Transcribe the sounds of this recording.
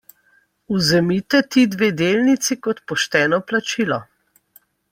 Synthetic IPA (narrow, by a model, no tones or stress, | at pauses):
uzɛmit̪ɛt̪iːd̪ʋeːd̪eːlnit̪sikɔt̪pɔʃt̪ɛːnɔplat͡ʃilɔ